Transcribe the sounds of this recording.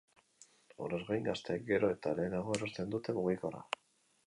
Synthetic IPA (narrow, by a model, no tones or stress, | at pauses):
o̞̰ɾe̞zɣajŋɡast̪eːk̚ɡe̞ɾo̞e̞t̪ale̞ːnaɣ̞o̞eɾo̞st̪e̞nd̪ut̪e̞muɣ̞iko̞ra̰